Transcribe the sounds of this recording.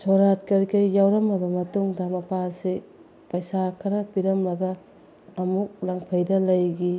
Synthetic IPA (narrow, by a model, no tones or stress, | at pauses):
soɾat̚kɐɾikɐjːawɾɐmɐbɐmɐtuŋdɐmɐpʰasi | pɐjsakʰɐɾɐpiɾɐmːɐɡɐː | muk̚laŋpʰɐjdɐlɐjɡi